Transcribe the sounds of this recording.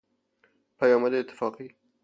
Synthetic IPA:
pajɑmad̪eɪt̪ːɪ̥fɑqi

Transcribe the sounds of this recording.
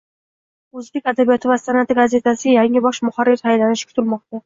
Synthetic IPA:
ɵzbe̞kʲad̪abijɒt̪ʰɪvasanat̪ʰɪɡaze̞t̪ʰasɪjaŋɪbɒʃmʊχaɾːɪɾhajlanɪʃkʰʊ̥t̪ʰɪlmɒqt̪a

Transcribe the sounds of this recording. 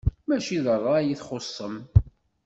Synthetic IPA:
mæʃiðərˤːɑjiθχosˤːəm

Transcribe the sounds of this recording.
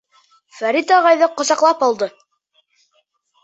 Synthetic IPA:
fæɾit̪ɑʁɑjðɤqŏsɑqlˠɑpɑlˠd̪ɤ

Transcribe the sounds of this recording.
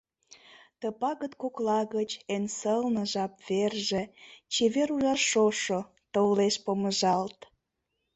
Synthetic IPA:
t̪əpɑɣət̪koklɑɣət͡ɕensəlnə̆ʒɑpverʒet͡ɕeβeɾuʒɑʃoʃo | t̪oleʃpoməʒɑlt̪

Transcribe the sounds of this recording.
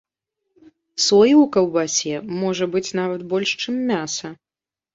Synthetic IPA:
sɔjiwkɐwbasʲɛmɔʐɐbɨt͡sʲnavɐt̪bɔlʲʂt͡ʂɨmːʲasɐ

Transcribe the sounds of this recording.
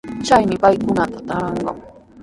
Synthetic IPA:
t͡ʃajmɪpajkʊnat̪ḁt̪aɑɴɢɑ̰ŋ

